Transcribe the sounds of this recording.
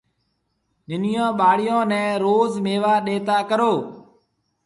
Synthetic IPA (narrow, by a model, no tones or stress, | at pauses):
nɪnɪjõːɓaːɽɪjõːnɛ̃ːɾoːzmeːʋaːɗeːt̪aːkəɾoː